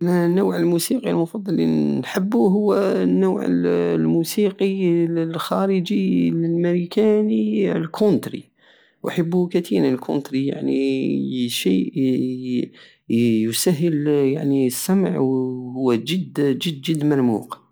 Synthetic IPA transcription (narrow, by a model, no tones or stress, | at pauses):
nːawʕəlmusiqilmʊfɑd̪ˤːɑlːḭnħəbːuɦʊwːnːuwʕə̰llmusiqilxæɾəd͡ʒillməɾikænilkʰont̪ɾḭ | wʔaħəbːukæt̪ʰiɾlkʰʊ̰nt̪ɾija̰ʕni | ʃi | jʊsæɦːəlja̰ʕniəsːæm̰ʕwhʊwːæd͡ʒəd̪d͡ʒəd̪d͡ʒəd̪ːmɑɾmṵːq